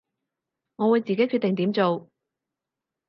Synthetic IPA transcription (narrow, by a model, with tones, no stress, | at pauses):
ŋɔː˨˧wu˨˧jt͡siː˨ke˨˥jkʰyː˥˧t̪ɪ˨ŋt̪iː˨˥mt͡so˨w